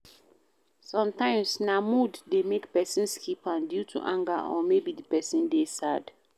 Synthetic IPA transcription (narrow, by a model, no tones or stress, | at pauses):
sɔ̃mtãɪ̃msnamuddemekpɛsĩnskʰipãndjutʰṵʔãŋɡa̰ʔɔ̰mebidipɛsĩndesad̥